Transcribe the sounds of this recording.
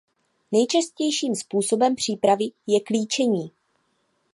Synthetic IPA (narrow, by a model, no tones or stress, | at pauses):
nɛjt͡ʃascɛjʃiːmspuːso̞bɛmpr̝̥iːpɾavɪjɛkliːt͡ʃɛɲiː